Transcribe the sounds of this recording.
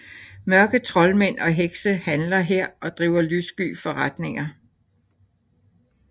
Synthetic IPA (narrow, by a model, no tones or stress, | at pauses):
mɶɐɡ̥ət͡sʰʁɒ̽lmen̰ʔɒ̽ɦeɡ̥səhænlɐɦeɐ̰ɒ̽d̥ʁiːʊɐlysɡ̥y̰ːfɒ̽ʁad̥ne̝ŋɐ